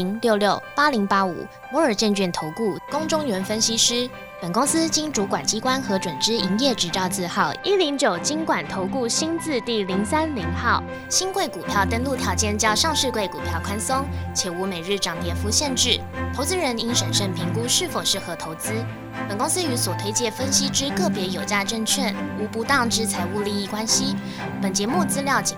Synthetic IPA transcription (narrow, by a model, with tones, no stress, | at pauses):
i˧˥ŋljo˥˧ʊljo˥˩ʊpa˥li˧˥ŋpa˥ṵ˨˩˦ | mwɔ˧˥ə˞˨˩t͡ɕjɛ˥˧nt͡ɕy˥˩nt̪ʰo˧˥ʊku˥˩kʊ˥ŋʈ͡ʂʊ˥ŋɥɛ˧˥nfə˥nɕi˥ʂɻ̩˥ | pə˨˩nkʊ˥ŋsɹ̩˥t͡ɕi˥ŋʈ͡ʂu˧˥kwa˨˩nt͡ɕi˥kwa˥nxɤ˧˥ʈ͡ʂwə˨˩nʈ͡ʂɻ̩˥i˧˥ŋjɛ˥˩ʈ͡ʂɻ̩˧˥t͡sɑ˥˧ʊt͡sɹ̩˥˧xɑ˥˩ʊi˥˩li˧˥ŋt͡ɕjo˨˩ʊt͡ɕi˥ŋkwa˨˩nt̪ʰo˧˥ʊku˥˩ɕi˥nt͡sɹ̩˥˧t̪i˥˩li˧˥ŋsa˥nli˧˥ŋxɑ˥˩ʊ | ɕi˥nkwe˥˩ɪku˨˩p̪ʰjɑ˥˩ʊt̪ə˥nlu˥˧t̪ʰjɑ˧˥ʊt͡ɕjɛ˥˧nt͡ɕjɑ˥ʊʂɑ˥˧ŋʂɻ̩˥˧kwe˥˩ɪku˨˩pʰjɑ˥˩ʊkʰwa˥nso˥ŋt͡ɕʰjɛ˨˩u˧˥me˨˩ɪɻɻ̩˥˩ʈ͡ʂɑ˨˥ŋt̪jɛ˨˩fu˧˥ɕjɛ˥˧nʈ͡ʂɻ̩˥˩ | t̪ʰo˧˥ʊt͡sɹ̩˥ɻə˧˥ni˧˥nʂə˨˩nʂə˥˩ŋpʰi˧˥ŋku˥ʂɻ̩˥˩fo˨˩ʊʂɻ̩˥˩xɤ˧˥t̪ʰo˧˥ʊt͡sɹ̩˥ | pə˨˩nkʊ˥ŋs̩˥y˧˥swɔ˨˩t̪ʰwe˥ɪt͡ɕjɛ˥˩fə˥nɕi˥ʈ͡ʂɻ̩˥kɤ˥˩pjɛ˧˥jo˨˩ʊt͡ɕja˥˧ʈ͡ʂə˥˧ŋt͡ɕʰɥɛ˥˩nu˧˥pu˧˥t̪ɑ˥˧ŋʈ͡ʂɻ̩˥t͡sʰa˧˥ɪu˥˧li˥˧i˥˩kwa˥nɕi˧˥ | pə˨˩nt͡ɕjɛ˧˥mu˥˧t͡sɹ̩˥ljɑ˥˩ʊt͡ɕɛ˨˩